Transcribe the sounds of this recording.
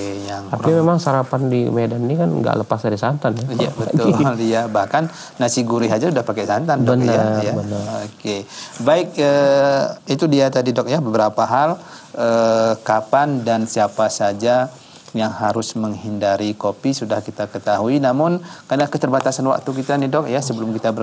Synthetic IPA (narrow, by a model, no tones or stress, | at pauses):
jaŋt̪aimemaŋsaɾapandimedanːikanŋɡa̰ʔləpasdaɾisant̪anjaiabəʊlijabahkanː | asiɡuɾiɦad͡ʒasudahpakɛsant̪andɔəniəajaənəokebaɪk̚ə | it̪udiat̪adidɔk̚jabəbəɾapaɦaləkapandansiapasad͡ʒa | jaŋhaɾʊsməŋhindaɾikopisudahkit̪akət̪aɦuinamʊnkarnakət̪ərbat̪asanwa̰k̚t̪uk̬it̪anidɔk̚jasəbəlʊmkit̪abər